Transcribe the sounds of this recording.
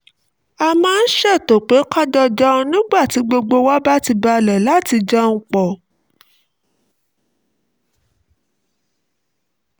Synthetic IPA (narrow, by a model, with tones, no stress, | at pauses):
a˧mãː˦n̩˦ʃɛ˦˨to˨k͡pe˨˦ka˦dɔ˦d͡ʒɔ˦ɔ̃˧nĩ˦ɡ͡ba˦˨ti˨˦ɡ͡bo˧ɡ͡bo˧wa˦ba˦ti˧ba˧lɛ˨la˨˦˨ti˧d͡ʒɔ˦ŋ̩˧k͡pɔ˨